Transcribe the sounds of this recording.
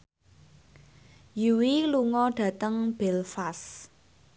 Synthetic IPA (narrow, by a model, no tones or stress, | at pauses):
juwiluŋɔɖ̥ä̤t̪əŋb̥elfas